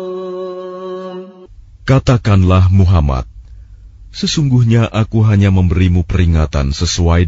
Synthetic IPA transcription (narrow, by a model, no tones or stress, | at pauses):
kat̪akanlahmuɦama̰t̪̚ | səsuŋɡuhɲaʔakuɦaɲaməmbəɾimupəɾiŋat̪a̰nsəsuaj